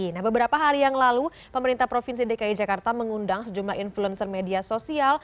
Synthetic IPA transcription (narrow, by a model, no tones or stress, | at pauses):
nahbəbəɾapaɦaɾijaŋlalu | pəməɾint̪ahpɾofinsidekaid͡ʒakart̪aməŋundaŋsəd͡ʒumlaɦinfluɛnsərmediasosial